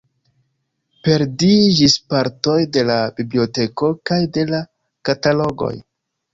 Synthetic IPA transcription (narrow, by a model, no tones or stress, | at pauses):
pe̞ɾdid͡ʒispaɾto̞jde̞labiblio̞te̞ko̞kajde̞la | katalo̞ɡo̰j